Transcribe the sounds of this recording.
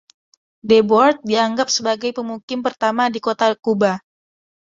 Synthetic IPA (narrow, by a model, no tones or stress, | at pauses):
debɔrt̪̚diaŋɡap̚səbaɡajpəmukɪmpərt̪amadikot̪akuba